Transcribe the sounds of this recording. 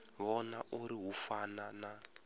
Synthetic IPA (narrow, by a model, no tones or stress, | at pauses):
βɔnaʔuɾiɦufanana